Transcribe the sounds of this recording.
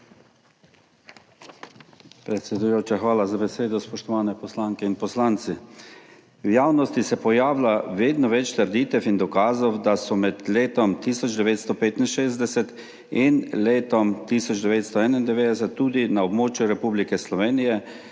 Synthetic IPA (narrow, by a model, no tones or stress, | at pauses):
pɾɛt̪sʲɛd̪ujoːt͡ʃaxʋaːlazabɛseːd̪ɔspɔʃt̪ɔʋaːnɛpɔslaːŋkɛinpɔslaːnt̪si | wjaːwnɔst̪isɛpɔjaːwlaʋeːd̪nɔʋɛt͡ʃt̪əɾd̪iːt̪ɛfind̪ɔkaːzɔwd̪asɔmɛt̪leːt̪ɔmt̪iːsɔd͡ʒd̪ɛʋeːt̪st̪ɔpeːt̪inʃeːzd̪ɛsɛt̪ | inleːt̪ɔmt̪isɔd͡ʒd̪ɛʋeːt̪st̪ɔɛːnaind̪ɛʋeːd̪ɛs̬ɛt̪ːuːd̪inaɔbmoːt͡ʃjuɾɛpuːblikɛslɔʋeːnijɛ